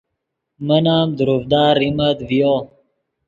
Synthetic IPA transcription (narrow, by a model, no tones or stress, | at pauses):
mənaːmd̪uɾufd̪aːɾimɐt̪vijoː